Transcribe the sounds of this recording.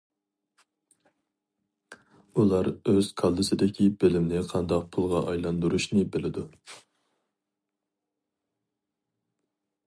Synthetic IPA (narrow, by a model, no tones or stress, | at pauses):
ulˠɑɾøz̥kʰɑlˠd̪ɨsɨd̪ɪkʲʰibɪlɪmnɪqʰɑnd̪ɑq̚pʰulˠʁɑʔɑjlˠɑnd̪uɾuʃnɪbɪlɪd̪u